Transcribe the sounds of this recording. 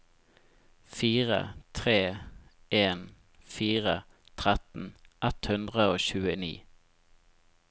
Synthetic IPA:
fiːʁə̰t̪ʰʁeː | ʔeːn | fiːʁə | t̪ʰʁɛt̪n̩ʔɛt̪hʉnd̪ʁəoːçʉːənḭː

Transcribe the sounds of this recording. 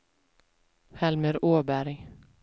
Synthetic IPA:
hɛlməɾoːbæɾj

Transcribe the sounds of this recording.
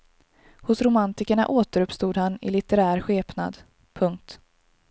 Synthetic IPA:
hʊsɾʊmant̪ɪkəɳa̰ʔoːt̪əɾɵpst̪uːd̪hanɪ̰lɪt̪ɛɾæːɾɧeːpna̰d̪ | pʰɵŋk̚t̪

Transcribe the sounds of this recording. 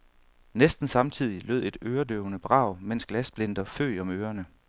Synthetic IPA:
nesd̥n̩sɑ̈mt͡sʰið̞̰ˠilø̰ð̰ˠe̝d̥øːɐd̥øʊnəb̥ʁɑ̈ʊ̰men̰sɡ̥læsb̥le̝n̰d̥ɐfø̰ːɒ̽møːɐnə

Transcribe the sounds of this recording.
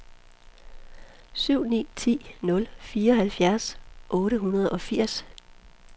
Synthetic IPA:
syʊ̰nḭːt͡sʰḭːnɔ̽lfiːɐɒ̽hælfjæɐsʔɔ̽ːɾəɦunɐð̞ˠɒ̽fiɐ̰s

